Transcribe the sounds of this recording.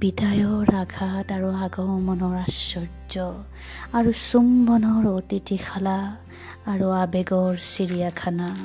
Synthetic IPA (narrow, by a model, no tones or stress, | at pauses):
b̥idʱajɔɹaɡʱataɹuaɡɔwmɔnɔɹasɔɹd͡ʒɔ | aɹusumbɔnɔɹotitʰixʰalaː | ɹuabɛɡɔɹsiɹijakʰana